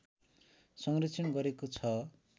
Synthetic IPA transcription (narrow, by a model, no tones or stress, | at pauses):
sʌŋrit͡sʰinɡʌɾekot͡sʰʌ